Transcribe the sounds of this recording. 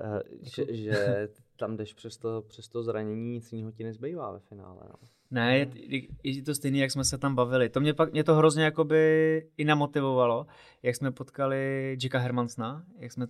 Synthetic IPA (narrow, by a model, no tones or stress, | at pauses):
ʒɛʒɛt̪amdɛʃpr̥ɛst̪opr̥ɛst̪ozɾaɲɛɲiːɲɪt͡sɲiɦocɪnɛzbɛjvaːvɛfɪna̰ːlɛ̰no̰ | nɛjɛɛɛt̪ost̪ɛjniːjaksmɛsɛt̪ambavɪlɪt̪o̞mɲɛpakmɲɛt̪oɦɾo̞zɲɛjako̞bɪɪnamo̞t̪ɪvo̞valo̞ | jaksmɛpo̞t̪kalɪd͡ʒɪkaɦɛɾmansnajaksmɛ